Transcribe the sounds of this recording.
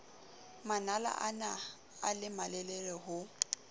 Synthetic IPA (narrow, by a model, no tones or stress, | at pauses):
manala̰ʔana | alɪmalɛlɛrɛhʊ